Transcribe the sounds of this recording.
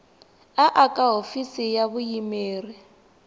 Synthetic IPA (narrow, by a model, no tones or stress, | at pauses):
aʔakʼaɦofisijaβujimeːri